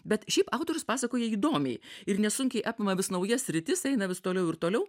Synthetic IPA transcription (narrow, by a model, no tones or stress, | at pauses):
bʲɛt̪ʃʲɛɪpɑʊt̪oːɾʲʊspɑːsɐkoːjɛiːd̪oːmʲɛɪɪrnʲɛsʊŋʲkʲɛɪʔɑːpʲɪmɐʋʲɪsnɐʊjɛsʲsʲɾʲɪt̪ʲɪsɛɪnɐʋʲɪst̪oːlʲɛʊɪɾt̪oːlʲɛʊ